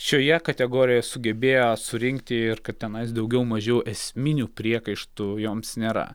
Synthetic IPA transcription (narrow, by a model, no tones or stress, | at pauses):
ʃʲoːjɛkɐt̪ʲɛɡoːɾʲɪjɛjsʊɡʲɛbʲeːjoːsʊɾʲɪŋkt̪ʲɪɪɾkɐt̪t̪ʲɛnɐɪs̬d̪ɐʊɡʲɛʊmɐʒʲɛjʔɛsʲmʲɪnʲuːpʲɾʲiɛkɐɪʃt̪ujoːmsnʲeːɾɐ̰